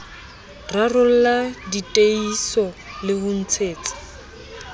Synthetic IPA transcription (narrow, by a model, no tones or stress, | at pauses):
rarʊl̩laditʼeisɔlɪhʊn̩t͡sʰeːt͡sḁ